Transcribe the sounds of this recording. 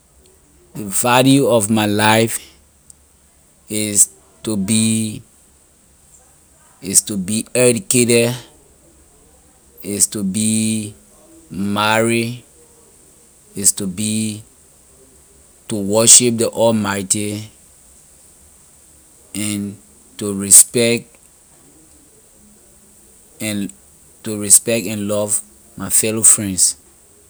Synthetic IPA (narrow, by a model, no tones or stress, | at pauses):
dəvaljuɔvmaɪlaɪf | is | tubi | istubiɛdikeɾɛd | istubi | maɹi | istubi | tuwɔʃip̚diʔɔlmaɪti | ɛ̃n | tuɹispɛk̚t | tuɹispɛk̚tɛ̃nlɔv | maɪfɛlofɹɛ̃nds